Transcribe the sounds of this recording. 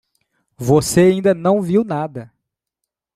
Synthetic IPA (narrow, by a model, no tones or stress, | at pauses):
voseaĩnd̪ɐnɐ̃w̃viwnad̪ɐ